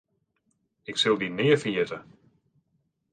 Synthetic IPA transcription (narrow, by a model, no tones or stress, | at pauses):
ɪksɪlˠdinɪːəɹfəjɪtə